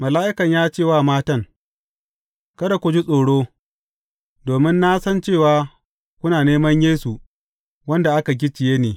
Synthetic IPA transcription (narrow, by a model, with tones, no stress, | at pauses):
mɐ˨laː˦ʔɪ˦kɐ˨ɲjaː˦t͡ʃeː˦˨waː˦maː˦tɐ˦ŋ | kɐ˦ɾa˨kʷʊ˦d͡ʒi˦sʼoː˨ɽoː˦ | doː˨mɪ˦nːa˦sɐ˦nt͡ʃeː˦˨waː˨ | kʷʊ˦naː˨neː˦mɐ˦ɲjeː˦su˨ | wɐ˦nda˨ʔa˦ka˨ɡʲɪ˦t͡ʃɪ˨jeː˦neː˨